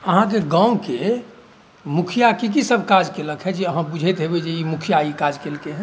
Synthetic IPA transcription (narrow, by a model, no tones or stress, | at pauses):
əɦãk̬eɡãũke | mukʰijakik̬isəbʱkad͡ʒkeləkʰɦɛd͡ʒiəɦãbud͡ʒʱet̪ɦebed͡ʒeimukʰijaikad͡ʒkelkeɦɛ̃